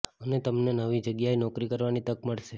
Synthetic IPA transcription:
ənet̪əmnenəʋid͡ʒəɡjaenɔkɾikəɾʋanit̪əkməɭʃe

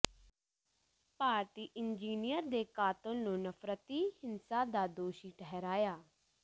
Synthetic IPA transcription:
paːɾt̪iːʔɪnd͡ʒiːnijəɾd̪eːkaːt̪ə̃lnũːnəfʰɾət̪iːhɪnsaːd̪aːd̪oːʃiːʈʰɛɦɛɾaːjaː

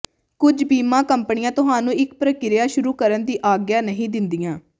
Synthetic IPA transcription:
kʊd͡ʒbiːmãːkəmpnɪjãːt̪ʊɦaːnũːɪk̚pɾəkɪɾɪjaːʃʊɾuːkəɾənd̪iːʔaːɡjaːnəɦĩːd̪ɪnd̪ijãː

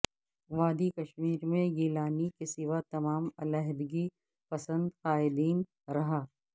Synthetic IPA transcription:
ʋaːd̪ikɐʃmiːɾmẽɡiːlaːnikesɪʋat̪ɐmaːmɐlaɦd̪ɪɡi | pɐsə̃nd̪qaːɪd̪iːn | ɾɐɦaː

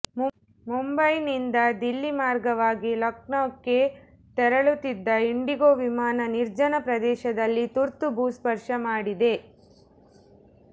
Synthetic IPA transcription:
mumbɐjnind̪ɐd̪ilːimaːɾɡɐʋaːɡilɐkɳɐːkːe | t̪ɛɾɐɭut̪ːid̪ːɐiɳɖiɡoʋimaːnɐniɾd͡ʒɐnɐpɾɐd̪ɛːʃɐd̪ɐlːit̪uɾt̪ubʱuːspɐɾʂɐmaːɽid̪e̞

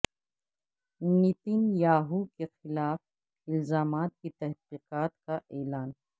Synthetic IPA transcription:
nit̪injaːɦukexɪlaːf | ɪlzaːmaːt̪̚kit̪ɛɦqiːqaːt̪kaʔɛːlaːn

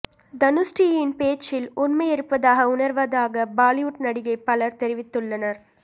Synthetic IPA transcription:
d̪ɐnʊsʈijɪnpeːt͡ʃːɪlʊnmɐɪɛɾɯpːɐðaːɣɐʊnɐɾʋɐðaːɣɐbaːlɪjuʈnɐɽɪɣɐɪpːɐlɐɾt̪ɛɾɪʋɪt̪ːɯɭːɐnɐɾ

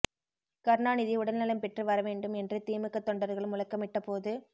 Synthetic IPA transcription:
kɐɾnaːnɪðiʊɽɐlnɐlɐmpɛʈrɯʋɐɾɐʋeːɳɖɯmɛndrɯt̪iːmɯkːɐt̪ːɔɳɖɐɾɣɐɭɯmʊlɐkːɐmɪʈːɐpoːðɯ

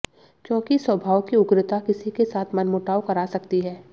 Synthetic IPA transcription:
kjõːkiswəbʱaːʋkiʊɡɾɪt̪akɪsikesaːt̪ʰmɐnmʊʈaːwkɐɾaːsɐkt̪iɦɛː

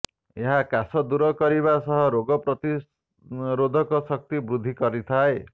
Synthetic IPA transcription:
eɦakasɔd̪uɾɔkɔɾiβasɔɦɔɾoɡɔpɾɔt̪i | ɾod̪ʱɔkɔsɔk̚t̪ibɾud̪ʱːikɔɾit̪ʰae

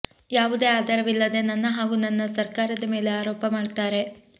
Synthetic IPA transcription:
jaːʋud̪e̞aːd̪ɐɾɐʋilːɐd̪e̞nɐnːɐɦaːɡuːnɐnːɐsɐɾkaːɾɐd̪ɐme̞ːle̞aːɾoːpɐmaːɖt̪aːɾe̞

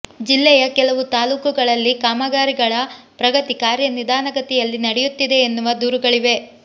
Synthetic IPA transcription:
d͡ʒilːɛjɐkɛlɐʋut̪aːluːkuɡɐɭɐlːikaːmɐɡaːɾiɡɐɭɐpɾɐɡɐt̪ikaːɾjɐnid̪aːnɐɡɐt̪ɛjɐlːinɐɽɛjut̪ːid̪e̞ːnːuʋɐd̪uːɾuɡɐɭiʋe̞

